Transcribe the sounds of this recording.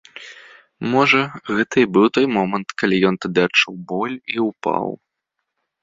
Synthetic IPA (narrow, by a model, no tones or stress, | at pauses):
mɔʐɐɣɛt̪ɐibɨwt̪ɔjmɔmɐnt̪kalʲijɔnt̪ad̪ɨat͡ʂuwbɔlʲiupa̰w